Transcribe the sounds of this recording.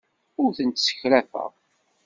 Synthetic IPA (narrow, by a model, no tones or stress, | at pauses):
ʊɾθənt̪sə̥çlæfə̰ʁ